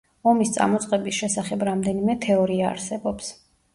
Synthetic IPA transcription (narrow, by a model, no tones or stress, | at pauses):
ɔmist̪sʼa̰mɔt̪sʼqʼɛbisʃɛsaχɛbɾamd̪ɛnimɛt̪ʰɛɔɾia̰ːɾsɛbɔps